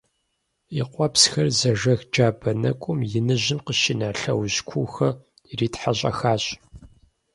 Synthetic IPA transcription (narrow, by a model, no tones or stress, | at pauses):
iqʷɔpsxɐrzɐʒɐxd͡ʒaːbɐnɐkʷʼʊmjɪnɨʑɪmqəʃɪnaːɬɐwʑkʷʰuːxɐ | riːtħaɕʼɐ̰xaːɕʼ